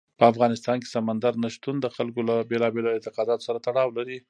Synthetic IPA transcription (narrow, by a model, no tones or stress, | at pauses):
pəafɣɑnɪst̪ɑnke̥samand̪aɾnaʃt̪und̪əxalkolabelɑbelɪnt̪ɪqɑd̪ɑt̪o̥saɾat̪aɽɑwlaɾi